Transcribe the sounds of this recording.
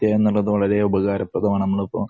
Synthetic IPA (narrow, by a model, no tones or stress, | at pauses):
t̪jaːenːuɭːɐðɨʋɐɭɐɾe̞ubɐɣaːɾɐprɐd̪ɐmɐnɐmːɐɭɐpːoː